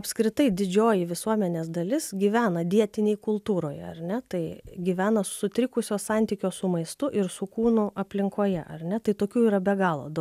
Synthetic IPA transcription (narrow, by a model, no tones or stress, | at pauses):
ɐpʲskɾʲɪt̪ɐɪd̪ʲɪd͡ʒʲoːjɪʋʲɪsuɔmʲɛnʲeːsd̪ɐlʲɪsɡʲiːʋʲæːnɐd̪ʲiɛt̪ʲɪnʲeːjkʊlˠt̪uːɾoːjɛ̰ɐ̰ɾʲnʲɛt̪ɐɪɡʲiʋʲæːnɐssʊt̪ʲɾʲɪkʊsʲoːssɑnʲt̪ʲiːkʲoːsʊmɐɪst̪ʊʔɪɾsʊkuːnʊʔɐpʲlʲɪŋkoːjɛʔɐ̰ɾʲnʲɛt̪ɐɪt̪oːkʲuːiːɾɐbʲɛɡɑːlˠo̰d̪